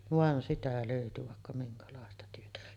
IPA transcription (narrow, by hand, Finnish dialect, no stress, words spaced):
ʋɑn sitæ løˑyty ʋɑˑekːɑ miŋkɑlɑˑestɑ tyøtæ